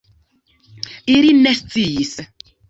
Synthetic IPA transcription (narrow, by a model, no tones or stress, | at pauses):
ilinest͡siis